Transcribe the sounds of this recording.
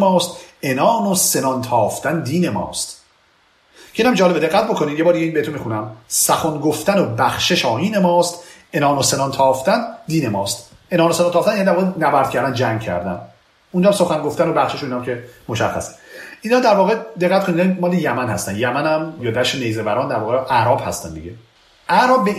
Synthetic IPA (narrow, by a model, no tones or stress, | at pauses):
mɒːst̪enɒːnosenɒnt̪ʰɒːft̪ænd̪iːnemɒ̰ːst̪ | cʰeiːnæmd͡ʒɒːlebee̞ɣːæt̪̚bo̞kʰonid̪jeɒːɾd̪iɟeinbeet̪unmixunæmsæxonɡoft̪ænobæxʃeʃɒːiːnemɒːst̪ | e̞nɒːnose̞nɒnt̪ʰɒːft̪ænd̪iːnemɒːst̪ | ʔenɒːnosenɑnt̪ʰɒːft̪ænjænid̪æɾvɒːɣenæbæɾd̪̥cʰæɾd̪ænd͡ʒæŋɡ̚cʰæ̰ɾd̪æ̰n | und͡ʒɒæmso̞xæŋɡoft̪ænobæxʃeʃoiːnɒmcʰe̞moʃæ̰xːæ̰se̥ʔiːnɒːd̪æɾvɒːɣed̪e̞ɣːæt̪kʰonind̪æimɒːlejæmænhæ̰st̪ænjæmænæmjɒːd̪æʃenejzevæɾɒːnd̪æɾvɒːɣeʔæɾɒːb̥hæ̰st̪æ̰nd̪ḭɟe | ʔæɾɒːb̚be